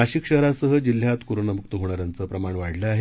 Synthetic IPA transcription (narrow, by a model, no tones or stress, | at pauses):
aɕikɕəɦɾasəɦəd͡ʑil̤ːjat̪kuɾunəmuk̚t̪əɦoɽ̃aɾjant͡səpɾəmaɳʋaɽ̤ləaɦe